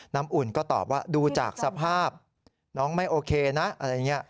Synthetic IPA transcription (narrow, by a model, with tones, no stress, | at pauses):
na˦˥mʔu˨˩nkɔː˥˩t̪ɔ̰ː˨˩p̚waː˥˩duː˧t͡ɕa̰ː˨˩k̚sa˧pʰaː˥˩p̚ | nɔː˦˥ŋma˥˩jʔoː˧kʰeː˧na˦˥ʔa˧ɾa˧jːa˨˩ŋːi˦˥ɐ˩